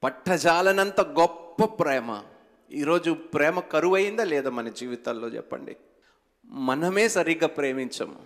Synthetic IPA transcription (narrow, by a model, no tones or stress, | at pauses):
pɐʈʰːɐd͡ʒaːlɐnɐnt̪ɐɡɔpːɐpɾɛːmɐ̰ | iːɾo̞ːd͡ʒupɾɛːmɐkɐɾuʋɐjind̪aːlɛːd̪aːmɐnɐd͡ʒiːʋit̪ɐlːo̞ːt͡ʃɛ̰pːɐ̰ɳɖḭ | mɐnɐmeːsɐɾiːɡaːpɾeːmiɲt͡ʃɐ̰m